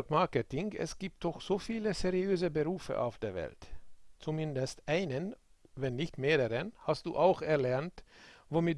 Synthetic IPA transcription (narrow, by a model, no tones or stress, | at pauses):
kmaɐkətɪŋɛ̰sɡ̥iːp̚t̚d̥ɔxz̥oːfiːləseʁiøːzəbəʁuːfə̰ʔa̰ʊfd̥eːɐvɛ̰ltt͡sumɪndəstʔaɪnən | vɛnːɪçtmeːʁəʁənhast̚d̥ṵːʔaʊxɛɐlɛɐntvomɪ